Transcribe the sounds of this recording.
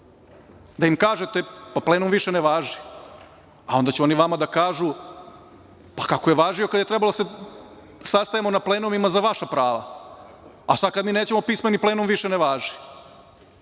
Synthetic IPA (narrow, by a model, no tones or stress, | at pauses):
d̪aimkaːʒet̪e̞paplenumʋiʃeneʋaːʒi | ao̞nd̪at͡ɕuoniʋamad̪akaːʒu | pakakojeʋaːʒio̞kad̪jet̪ɾebaloase | sast̪ajemo̞napleːnumimazaʋaʃapɾaːʋa̰ | asad̪̚kad̪miːneːt͡ɕe̞mo̞pismeniple̞ːnumʋiʃeneʋaːʒi̥